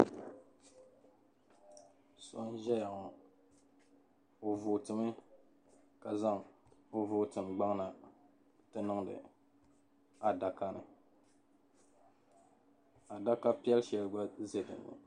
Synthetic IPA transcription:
so˦n˦ʒɛ˦ja˨ŋɔ˨ | o˨vʊ˨tɨ˨mɨ˦ | ka˨za˦ŋo˨vʊ˦tɨ˨m˨ɡ͡ba˦ŋna˨ | tɨ˦nɨ˦ŋdɨ̰˨ | a˨da˨ka˦nɨ̰˨ | a˨da˦ka˦pi˦ɛ˦lʃɛ˨lɡ͡ba˦ze˦dɨ̰˨nːɨ̰˨

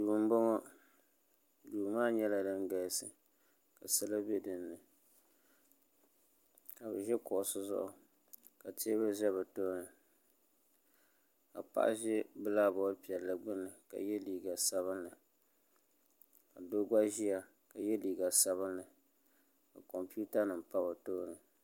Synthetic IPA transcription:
duː˨m̩˦bo˦ŋɔ˦ | duː˨maː˦ɲɛ˦la˨dɨ˦ŋɡa˨sɨ˨ | ka˨sa˦la˦be˦dɨ˨nːɨ˨ | ka˨bɛ˨ʒɛ˦kʊ˨ʔʊ˨sɨ˦zʊ̰˦ʔʊ˨ | ka˨te˦ba˦ʒɛ˦βɛ˨to˦nɨ˨ | ka̰˨pa̰˦˨ʔa̰˦ʒɛ˦bɨ˦la˦bɔ˨˦pi˨ɛ˨lːa˨ɡ͡bɨ˦nːɨ˨ka̰˨jɛ˦liː˨ɡa˨sa˦βɨ˦nlɨ˨ | ka˨do˦ɡa˦ʒi˦ja˨ | ka˨jɛ˦liː˨ɡa˨sa˦βɨ˦nlɨ˨ | ka˨kɔ˨mpi˦u˦ta˦nɨ˨mpa˦bɨ˨to˦nɨ˨

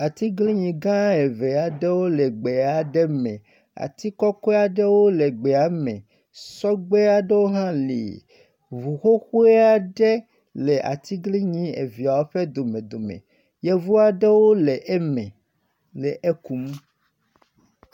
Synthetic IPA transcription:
a˨t̪i˦ɡli˦ɲĩ˨ɡã˦e˨ve˨a˨ɖe˦wo˦le˨ɡ͡be˨a˨ɖɛ˦mɛ̰̃˨ | a̰˨t̪i˦kɔ˦kɔ˦a˨ɖe˦wo˦le˨ɡ͡be˨a˨˦mɛ̰̃˨ | sɔ˦ɡ͡be˦a˦ɖe˦wo˦ɦã˦lḭ˨ | vu˨xo˦xu˦e˦a˦ɖɛ˦ | le˨ʔa̰˨t̪i˦ɡli˦ɲĩ˦ḛ˨vi˨a˨wo˦ɸe˦d̪o˨mẽ˨d̪o˨mḛ̃˨ | je˦vu˦a˨ɖe˦wo˦le˨ʔmɛ̰̃˨ | le˨ʔe˦ku˨m˦

